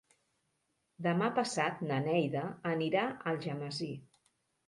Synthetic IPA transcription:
d̪əmapəsat̪nənɛjðəːniɾaəlˠʒəməzi

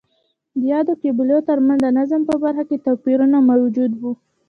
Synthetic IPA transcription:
d̪əjɑd̪okebɪlot̪əɾmand̪ənazəmpəbaɾxaket̪apiɾunamawd͡ʒud̪wu

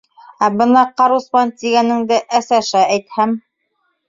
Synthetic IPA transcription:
æbɤ̆nɑqɑɾuspɑnt̪iɡænɘ̆ŋd̪ɘʔæsæʃææjt̪hæm

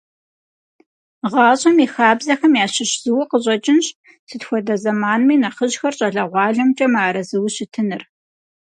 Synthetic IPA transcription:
ʁɑːɕʼɐmiːxaːbzɐxɐmjaːɕɪɕz̥ɨwɐqəʑʼɐt͡ʃʼɪnɕ | sɨtxʷɔdɐzɐmaːnmiːnɐχəʑxɐrɕʼɐɮɐʁʷɑːɮɐmt͡ʃʼɐmaːɾɐzɨwɕɪtʰɨnɨr

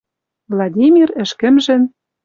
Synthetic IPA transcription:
vlˠɑd̪ʲimʲirɘ̆ʃkɘ̆mʒɘ̆n

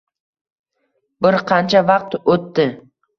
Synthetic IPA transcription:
bɪɾqʰɑnt͡ʃʰavɑq̚t̪ot̪ːɪ

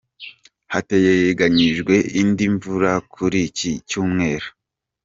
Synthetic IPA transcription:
hate̞jeeɡaɲiʒɡwe̞ʔindiɱvuɾakʰuɾicicuːmŋe̞ːɾu̥

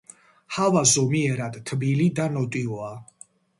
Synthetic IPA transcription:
havazɔmiɛɾad̪t̪ʰbilid̪anɔt̪ʼiɔa

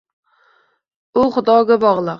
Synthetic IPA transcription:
ʊχʊd̪ɒɡʲabɒʁlˠɨq

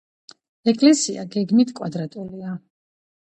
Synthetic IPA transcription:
ɛkʼlɛsia̰ɡɛɡmit̪ʰkʼwad̪ɾat̪ʼulia

